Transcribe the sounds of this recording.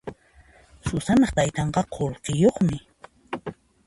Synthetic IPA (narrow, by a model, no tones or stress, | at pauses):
sʊsanɑχt̪ajt̪ɑɴɢɑqʰolqɪjoχmɪ